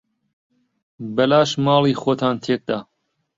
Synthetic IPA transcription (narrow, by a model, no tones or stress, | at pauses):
bɐlaːʃmɑːlˠiːxoːt̪ʰaːnt̪ʰeːk̚d̪aː